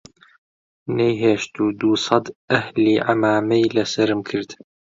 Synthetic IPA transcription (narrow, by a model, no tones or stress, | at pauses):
nejɦeːʃt̪uːd̪uːsɑd̪ʔæhliːʕamaːmɛjlɐsɐɾɨmkʰɨɾd̪̥